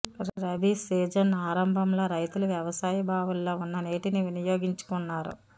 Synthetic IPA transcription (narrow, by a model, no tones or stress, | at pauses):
ɾɐbʱiseːd͡ʒɐnaːɾɐmbʱɐmlo̞ːɾɐjt̪uluʋjɐʋɐsaːjɐbʱaːʋulːo̞ːunːɐneːʈiniʋinɐjoːɡiɲt͡ʃu̥kunːaːɾṵ